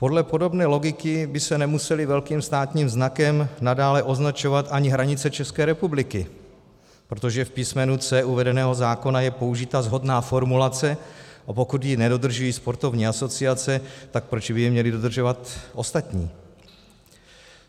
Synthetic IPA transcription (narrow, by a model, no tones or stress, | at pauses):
po̞dlɛpo̞do̞bnɛːlo̞ɡɪkɪbɪsɛnɛmusɛlɪvɛlkiːmst̪aːt̪ɲiːmznakɛmnadaːlɛʔo̞znat͡ʃo̞vat̪ʔaɲɪɦɾaɲɪt͡sɛt͡ʃɛskɛːɾɛpublɪkɪ | pɾo̞t̪o̞ʒɛfpismɛnut͡sɛʔuvɛdɛnɛːɦo̞zaːko̞najɛpo̞uʒɪt̪azɦo̞dnaːfo̞ɾmulat͡sɛapo̞kut̪jinɛdo̞d̪r̩ʒujiːspo̞ɾt̪o̞vɲiːaso̞t͡sɪat͡sɛt̪ak̚pɾo̞t͡ʃbɪjɛmɲɛlɪdo̞d̪r̩ʒo̞vat̪ʔo̞st̪at̪ɲiː